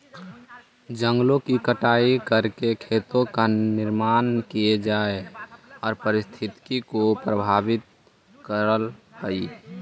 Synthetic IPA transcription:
d͡ʒə̃ŋɡlõkikəʈaːikəɾkekʰet̪õkanɪɾmaːnkijed͡ʒaeɔːɾpəɾɪst̪ʰɪt̪kikopɾəbʱaːbɪt̪̚ | kəɾəlpəi

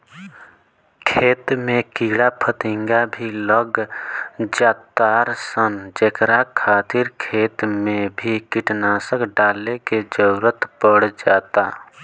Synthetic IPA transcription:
kʰeːt̪mẽkiɽapʰət̪ɪ̃ŋɡabʱiləɡ | d͡ʒaːt̪aːɾsənd͡ʒekɾakʰaːt̪iɾkʰeːt̪mẽbʱikɪʈnaːsəkɖaːleked͡ʒəɾət̪pəɽ̤d͡ʒaːt̪a

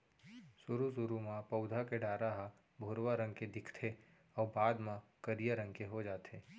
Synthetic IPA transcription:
sʊɾusʊɾumãpəʊd̪ʱakeɖaːɾaɦa | bʱoːɾwaɾə̃ŋɡked̪ɪkʰt̪ʰe | ɔːɾbaːd̪mãkəɾijaɾə̃ŋɡkeɦod͡ʒaːt̪ʰeː

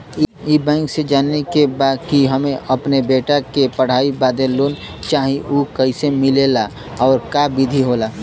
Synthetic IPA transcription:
ibɛ̃ːŋksed͡ʒaːnːekebaːd̪̚kiɦɐmẽʔɐpnebeːʈakepəɽ̤aːibaːd̪eloːn | t͡ʃaːɦĩuːkəɪsemɪleːla | ɔːɾkabɪd̪ʱiɦoːlaː

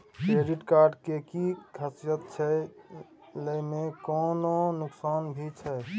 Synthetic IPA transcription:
keɖiʈkaːɾɖkekikʰəsjət̪̚t͡ʃʰɛ | ləimekɔːnonʊksaːnbʱit͡ʃʰɛ

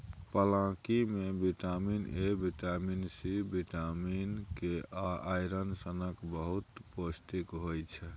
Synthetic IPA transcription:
pəlãkimebiʈaminebiʈaminsibiʈaminkeaajɾənsənəkbəɦut̪post̪ikɦojt͡ʃʰɛ

